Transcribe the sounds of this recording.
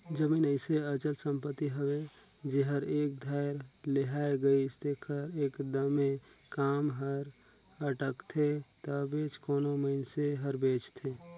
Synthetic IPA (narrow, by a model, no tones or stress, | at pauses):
d͡ʒəmiːnəɪseət͡ʃət̪sə̃mpət̪ːiɦəwe | d͡ʒeɦəɾeːk̚d̪ʱaɪɾ | leɦaeɡəist̪ekʰəɾeːkd̪əmẽ | kaːmɦəɾ | əʈəkt̪ʰet̪əbeːt͡ʃkoːnoməɪnseɦəɾbeːt͡ʃt̪ʰe